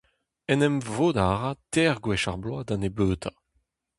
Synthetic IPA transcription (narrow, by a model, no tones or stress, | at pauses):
ɛnɛmvoːd̪aːʁatɛːʁɡwɛʃaʁblwad̪ãnebøːt̪ʰa